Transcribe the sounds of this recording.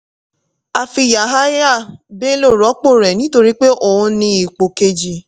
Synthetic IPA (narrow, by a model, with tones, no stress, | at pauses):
a˨fi˧ja˨ɦa˦ja˦˨be˦lo˦˨ɾɔ˨˦k͡po˦˨ɾɛ˨nĩ˦to˧ɾi˦k͡pe˦ʔo˨ũ˧nĩ˧i˨k͡po˨ke˧d͡ʒi˧